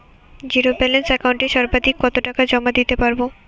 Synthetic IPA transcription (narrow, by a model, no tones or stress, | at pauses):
d͡ʑiɾobɛlensɛkawɳʈeʃɔɾbad̪ikːɔt̪oʈakad͡ʑɔmad̪it̪epaɾbo